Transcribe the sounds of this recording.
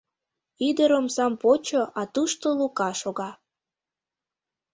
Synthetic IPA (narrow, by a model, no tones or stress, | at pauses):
id̪əɾəmsɑmpot͡ɕoʔɑt̪uʃt̪olukɑʃoɣɑ